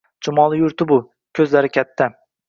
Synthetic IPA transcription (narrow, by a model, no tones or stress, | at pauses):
t͡ʃʰʊmɒlˠɪjʊɾt̪ɪbʊ | kʲʰɵzlaɾɪkʲʰat̪ʰːa